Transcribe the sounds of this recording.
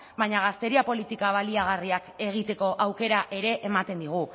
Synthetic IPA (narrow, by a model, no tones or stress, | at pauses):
βajɲaɣ̞ast̪e̞ɾiapo̞lit̪ikaβ̞aliaɣ̞ariake̞ɣ̞it̪e̞ko̞ʔawke̞ɾaʔe̞ɾe̞ʔemat̪e̞nd̪iɣ̞u